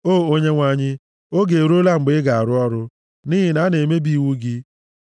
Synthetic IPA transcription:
oː˦˨o˦ɲe˦ŋʷa˨ɲɪ˦ | o˦ɡe˨ɾu˦o˦la˦ŋ͡m̩˨ɡ͡bɪ˦ɡa˨a˨ɾʊ˦ɔ˦ɾʊ˦ | ni˦ɦi˦na˨˦ne˨me˦bi˦˨wu˦ɡɪ˦

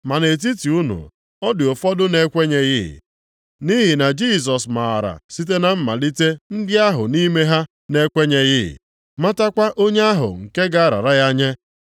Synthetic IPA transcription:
ma˨ne˨t̬i˦ti˨u˦nṵ˨ | ɔ˦dɪ˨o˨fɔ˦dʊ˦ne˦kʷe˦ɲe˦jɪ̰˦˨ | ni˦ɦi˨na˨d͡ʒi˦˨s̬ɔ˨sma˨a˨ɾa̰˨si˦t̬e˦na˨m̩˦ma̰˨li˦te˦n̩˦dɪ˦a˦ɦʊ̰˨ni˦me˦ɦa˦ | ne˦kʷe˦ɲe˨jɪ˦˨ | ma˦ta˦kʷa˦ʔo˦ɲe˦a˦ɦʊ̰˨ŋ̩˨ke˦ɡa˨a˦˨ɾa̰˨ɾa˦ja˦ɲe˦

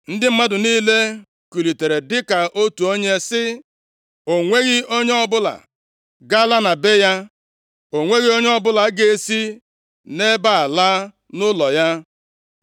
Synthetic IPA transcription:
n̩˦dɪ˦m̩˦ma˦dʊ˨niː˦le˦ | kʷi˨li˨te˨ɾe˨dɪ˦ka˨ʔo˦tu˨o˦ɲe˦sɪ˦ | o˨ŋʷe˦ɣɪ˦o˦ɲe˦ɔ˦bʊ˦la̰˨ | ɡa˦la˦na˨be˦ja˦ | o˨ŋʷe˦ɣi˦o˦ɲe˦ɔ˦bʊ˦la˨˦ɡe˨e˦si˦ | ne˦ba˦a˨la˦ | nʊ˦lɔ˨ja˦

